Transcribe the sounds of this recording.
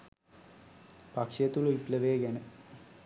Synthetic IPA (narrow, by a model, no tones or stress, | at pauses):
pakʂejət̪uluipləʋeːɡænə